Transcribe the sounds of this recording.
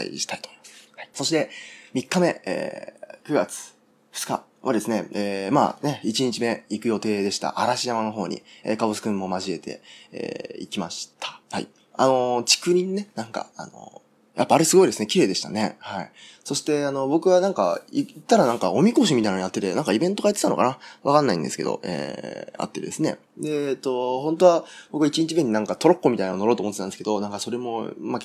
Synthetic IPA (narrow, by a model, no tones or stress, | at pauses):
a̰ḭɕi̥t̪ai̥t̪ommḁshai̥so̞ɕi̥t̪e̞mʲikːame̞ḛːkɯ̟ɡat͡sɨ̥ | ɸɯ̟̥t͡sɨ̥ka̰ | βad̪e̞sɨne̞eːma̰ːne̞it͡ɕiɲ̟it͡ɕime̞ikɯ̟jo̞t̪e̞ːd̪e̞ɕi̥t̪a̰ʔaɾaɕijamano̞ɦo̞ːɲ̟ḭḛkabɯsɨ̥kɯ̟̃mːo̞maʑie̞t̪ʰe̞̰ḛːḭkʲima̰ɕi̥t̪ʰḁha̰ḭ | a̰no̞t͡ɕi̥kɯ̟ɲ̟ĩnːe̞nãŋka̰a̰no̞̰ | jʔapːaːɾe̞sɨɡo̞id̪e̞sɨne̞kʲiɾe̞ːd̪e̞ɕi̥t̪a̰ne̞haḭso̞ɕi̥t̪e̞ano̞bo̞kɯ̟βanãŋka̰it̪ːaɾanãŋka̰omʲiko̞ɕ̬imʲit̪ainoojat̪ːe̞t̪e̞nãŋkaibẽ̞nt̪o̞ɡajat̪ːet̪ano̞̰ka̰naβakanːaḭ̃nsɨ̥ke̞d̪o̞̰ʔḛːa̰t̪ːe̞d̪e̞sɨne̞̰ | d̪eːt̪ːo̞ɦõnt̪o̞βab̥okɯβait͡ɕiɲ̟it͡ɕibɯɲ̟ːinãŋkat̪oɾokːo̞mit̪ainaono̞ɾo̞ːt̪omot̪ːeãnd̪esɨke̞d̪o̞nãŋkaso̞ɾe̞mo̞ma